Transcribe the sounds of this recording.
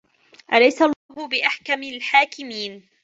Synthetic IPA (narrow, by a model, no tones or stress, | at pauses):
ʔalajsalˤːɑːɦʊbɪʔaħkamalħaːkɪmiːn